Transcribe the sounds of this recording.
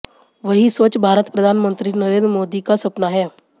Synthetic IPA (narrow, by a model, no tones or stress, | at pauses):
ʋəɦisoːt͡ʃbʱaːɾət̪pɾəd̪ʱaːnmə̃nt̪ɾinəɾeːnd̪ɾəmoːd̪ikasɐpnaɦɛː